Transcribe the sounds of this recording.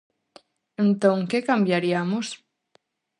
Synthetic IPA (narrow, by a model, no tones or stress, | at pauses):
ẽnt̪õŋkekambjaɾiamos